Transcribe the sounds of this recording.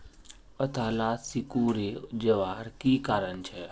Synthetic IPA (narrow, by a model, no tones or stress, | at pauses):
ət̪ʰaːlaːt̪sɪkuɾeːd͡ʒəʋaːɾkiːkaːɾəñt͡ʃʰɛː